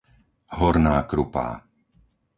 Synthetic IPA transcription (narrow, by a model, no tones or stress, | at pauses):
ɦɔɾnaːkɾupa̰ː